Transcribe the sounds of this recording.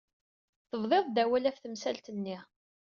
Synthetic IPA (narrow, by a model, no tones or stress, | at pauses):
θəvˤðˤeðˤd̪æwælæfθəmsælt̪ənːi